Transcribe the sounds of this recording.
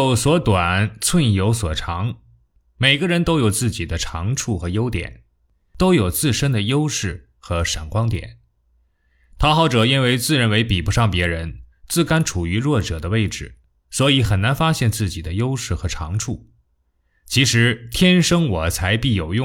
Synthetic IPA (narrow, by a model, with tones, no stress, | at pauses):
ʊswɔ˧˥t̪wa˨˩nt͡sʰwə˥˧njo˧˥ʊswɔ̰˨˩ʈ͡ʂʰɑ˧˥ŋ | me˨˩ɪɡə˧˦ɻə˧˥nt̪o˥ʊjo˨˩ʊt͡sɹ̩˥˩t͡ɕi˨˩d̪ə˦ʈ͡ʂʰɑ˧˥ŋʈ͡ʂʰu˥˩xɤ˧˥jo˥ʊt̪jɛ̰˨˩˦n | t̪o˥ʊjo˨˩ʊt͡sɹ̩˥˩ʂə˥nd̪ə˨jo˥ʊʂɻ̩˥˩ | xɤ˧˥ʂa˨˩nkwɑ˥ŋt̪jɛ̰˨˩˦n | t̪ʰɑ˥xɑ˥˩ʊʈ͡ʂɤ˨˩i˥nwe˧˥ɪt͡sɹ̩˥˧ɻə˧˥nwe˧˥ɪpi˨˩pu˧˥ʂɑ˥˩ŋpjɛ˧˥ɻə˧˥nt͡sɹ̩˥˧ka˥nʈ͡ʂʰu˨˩y˧˥ɻwɔ˥˩ʈ͡ʂɤ˨˩d̪ə˦we˥˩ɪʈ͡ʂɻ̩˨˩ | swɔ˧˥i˧˥xə˨˩nna˧˥nfa˥ɕjɛ˥˧nt͡sɹ̩˥˩t͡ɕi˨˩d̪ə˦jo˥ʊʂɻ̩˥˩xɤ˧˥ʈ͡ʂʰɑ̰˧˥ŋʈ͡ʂʰu˥˩ | t͡ɕʰi˧˥ʂɻ̩˧˥t̪ʰjɛ˥nʂɤ˥ŋwɔ˨˩t͡sʰa˧˥ɪpi˥˩jo˨˩ʊjʊ˥˧˨